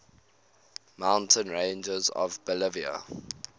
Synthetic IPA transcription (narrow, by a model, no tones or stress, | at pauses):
mãʊ̃ntʰə̃nɹẽɪ̃nd͡ʒəzɔ̰vbəlɪviə̰